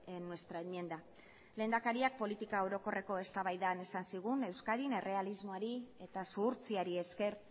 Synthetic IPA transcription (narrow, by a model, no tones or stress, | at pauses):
nːwe̞st̪ɾaemiend̪a | le̞ːnd̪akaɾiak̚po̞lit̪ikaoɾo̞ko̞re̞ko̞e̞st̪aβajðane̞sansiɣ̞une̞wskaðine̞re̞alizmo̞aɾie̞t̪asuːɾt͡siaɾie̞ske̞ɾ